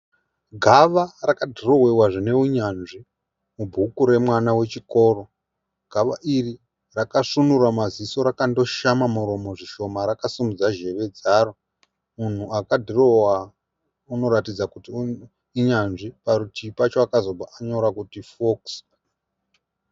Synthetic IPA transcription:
ɡʱaʋarakadʱiro̞wewaʐine̞uɲanʐi | mubʱukuɾe̞mwanawe̞t͡ʃiko̞ːro̞ | ɡ̥ʱaʋa̰ʔiri | rakaʂunuramaziso̞ɾakando̞ʃamamuɾo̞mo̞ʐiʃo̞maɾakasimud͡zaʒe̞ʋe̞d͡zaro | mun̤uakadʱirowa | uno̞ɾatid͡zakuti | iɲanʐiparutʰipat͡ʃoakazo̞bʱaʔaɲo̞ɾakutifoks

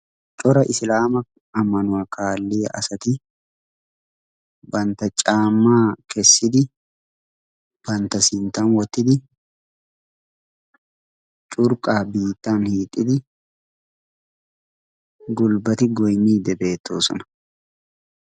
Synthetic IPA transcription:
t͡ʃʼɔɾɐʔɪsɪlaːmɐ | ɐmɐnʊɐkʰaːlːɪjɐʔɐsɐt̪ɪ | bɐnt̪ɐt͡ʃʼaːmːaːkɛsːɪd̪ɪ | b̥ɐnt̪ɐsɪnt̪ɐnwɔt̪ːɪd̪ɪ | t͡ʃʼʊɾkʼaːbiːt̪ːanhiːt̪ʼɪd̪ɪ | ɡʊlbɐt̪ɪɡɔjniːd̪ɛbe̞ːt̪ːoːsɔ̰nɐ̥

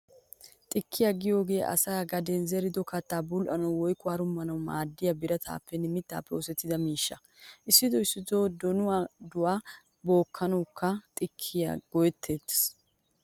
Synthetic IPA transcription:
t̪ʼɪkʰːɪjaɡɪjo̞ːɡe̞ːʔɐ̰saːɡɐd̪ɛnzɛɾɪd̪ɔkɐt̪ːaːbʊlʔɐnɐwwɔjkʼʊwaːɾʊmːɐnɐwmaːd̪ːɪjabɪɾɐt̪ʰa̰ːpːɛnɪmɪt̪ːa̰ːpːɛɔsɛt̪ːɪd̪ɐmiːʃːɐ | ʔɪsːɪd̪ɔɪsːɪd̪oːd̪ɔnʊwaːd̪ʊwaː | boːkʰːɐnɐwkːɐt̪ʼɪkʰːɪja̰ɡɔjɛt̪ʰːeːt̪ːs

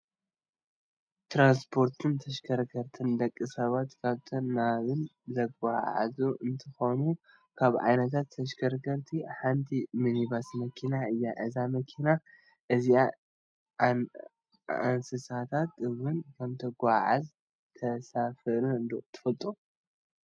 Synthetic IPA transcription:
t̪ʰɾanspʰo̞ɾt̪ʰɨnt̪ʰɐʃkʰɐɾkʰɐɾt̪ʰɨnd̪ɐkʼːɨsɐβat̪kʰaβt̪ʰonːaβɨn | zɐɡaʕa̰zuɨnt̪ʰɨxonu | kʰaβʕa̰jnɐt̪ʰat̪ʰːɐʃkʰɐɾkʰɐɾt̪ʰiħant̪ʰiminiβasmɐkʰinaɨjːaʔɨzamɐkʰina | ʔɨzia | a̰nsɨsat̪ʰat̪ɨwʊnkʰɐmt̪ʰɐɡʷaʕaz | t̪ʰɐsafɨʔɾuɨnd̪ot̪ʰɨ̥fɐlt̪ʼu

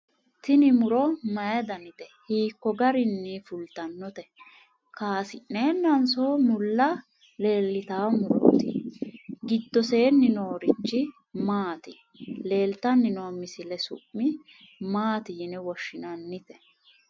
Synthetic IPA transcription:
t̪ɪnɪmʊɾɔmɐjɐd̪ɐnɪt̪ɛhiːkːɔɡɐɾɪnːifʊlt̪ɐnːɔt̪ɛ | kaːsɪnneːnːɐnsoːmʊlːɐ | le̞ːlːɪt̪aːmʊɾo̰ːt̪ɪ̰ | ɡɪd̪ːɔse̞ːnːɪno̞ːɾɪt͡ʃːɪ | maːt̪ɪ | le̞ːlt̪ɐnːɪnoːmɪsɪlɛsʊ̰ʔːɪ | maːt̪ɪjɪnɛwɔʃːɪnɐnːɪt̪ɛ̥

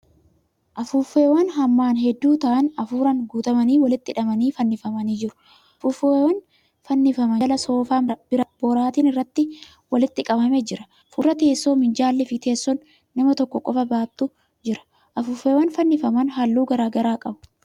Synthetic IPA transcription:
ʔɐfuːfːe̞ːwɐnɦɐmːaːnɦɛd̪ːuːt̪ɐʔɐnɐfuːɾɐŋɡuːt̪ɐmɐniːwɐlɪt̪ːɪᶑɐmɐniːfɐnːɪfɐmɐniːd͡ʒɪɾʊ̥ | ɐfʊfewɐn | fɐnːɪfɐmɐlɐso̞ːfaːmbɪɾɐb̥oːɾaːt̪iːnɪrːɐt̪ːɪ | wɐlɪt̪ːɪkʼɐbɐmed͡ʒɪɾɐ | fuɾɐt̪eːsːo̞ːmɪnd͡ʒaːlːɪfɪt̪e̞ːsːɔnː | ɐmɐt̪ɔkːɔkʼɔfɐbaːt̪ːʊ | d͡ʒɪɾɐ̥ | ʔɐfʊːfːeːwɐnfɐnːɪfɐmɐnɦalːuːɡɐɾaːɡɐɾaːkʼɐbʊ̥

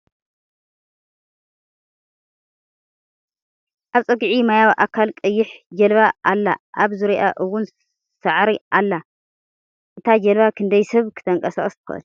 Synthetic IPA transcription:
ʔaβt͡sʼɐɡʕimajawʔakʰalkʼɨjːɪħd͡ʒɐlβaʔalːa̰ʔaβzɨɾiʔaʔɨwʊn | saʕɾiʔalːa | ʔɨt̪ʰad͡ʒɐlβakʰɨnd̪ɐjsɐβkʰɨ̥t̪ʰɐŋkʼɐsaχʼɐst̪ʰɨ̥xɨ̰ʔɨ̰l

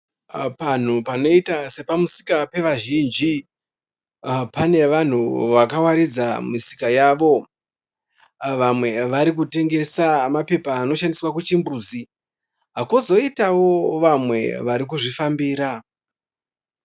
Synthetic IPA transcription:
pan̤upano̞itase̞pamusi̥kape̞ʋaʒind͡ʒi | pane̞ʋan̤uʋakawaɾid͡zamisi̥kajaːʋo̞ | ʋamwe̞ʋaɾik̬ute̞ŋɡe̞samape̞paːno̞ʃandiswakut͡ʃimbuːzi | ɦakuzo̞itawo̞ʋamwe̞̰ʋaɾik̬uʐifambiːɾa

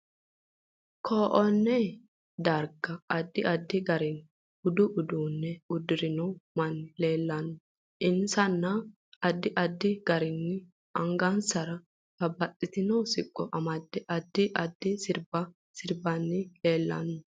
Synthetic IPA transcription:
kʰoːʔɔnːɛ | d̪ɐɾɡɐɐd̪ːɪʔɐd̪ːɪɡɐɾɪn | ʊd̪ʊʔʊd̪uːnːɛʊd̪ɪɾɪnɔwmɐnːɪle̞ːlːɐnːʊ | ʔɪnsɐnːɐ | ɐd̪ːɪʔɐd̪ːɪɡ̥ɐɾɪnːɪ | ʔɐŋɡɐnsɐɾɐ | bɐbɐtʼːɪt̪ɪnɔsɪkʼːɔʔɐmɐd̪ːɛʔɐd̪ːɪʔɐd̪ːɪsɪɾbɐ | sɪɾbɐnːɪle̞ːlːɐ̰nːʊ

